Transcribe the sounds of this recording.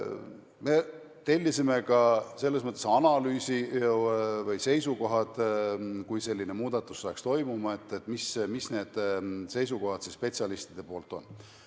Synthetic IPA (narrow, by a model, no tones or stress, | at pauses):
me̞ | t̪e̞lʲːisime̞kɑse̞lːesmɤt̪ːˑesɑnɑlyːsi | vɤjse̞jsukoɦɑd̪̥kujse̞lʲːine̞muːd̪̥ɑt̪ːˑu̥sːɑːkst̪o̞jmumɑe̞t̪ːˑet̪ːˑmismisne̞ːd̪̥se̞jsuko̞hɑd̪̥sispe̞t̪sʲɑlist̪id̪̥e̞po̞ːlt̪ːˑo̞nː